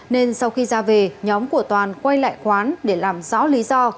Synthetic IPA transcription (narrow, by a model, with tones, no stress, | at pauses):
ne˧nsa˧wxi˧zaː˧ve˨˩ɲɔ˨˦mku˧˩ət̪waː˨˩nkwa˧jla̰ː˧˨jxwaː˨˦nɗe˧˩laː˨˩mzɔ̰˧˥li˨˦zɔ˧